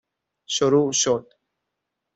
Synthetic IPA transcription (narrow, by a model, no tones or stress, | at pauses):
ʃoɾuːʃod̪̥